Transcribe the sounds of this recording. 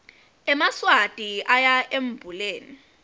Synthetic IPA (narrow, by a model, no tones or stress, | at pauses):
ɛmaswatʼiʔajaʔem̩b̥ʱuleːni